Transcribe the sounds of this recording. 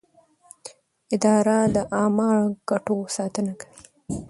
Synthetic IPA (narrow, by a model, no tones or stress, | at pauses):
ɪd̪ɑɾad̪əʔɑmɑɳɡ̥aʈosɑt̪ənakawi